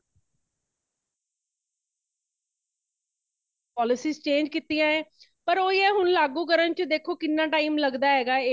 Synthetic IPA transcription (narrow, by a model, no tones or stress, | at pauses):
pɔːlɪsiːzt͡ʃẽːɲd͡ʒkɪt̪ːijãːeːpəɾoːiːɛːɦʊnlaːɡuːk̬əɾənt͡ʃd̪eːkʰːoːkɪnːãːʈaːiːmləɡd̪aːɦɛːɡaːeː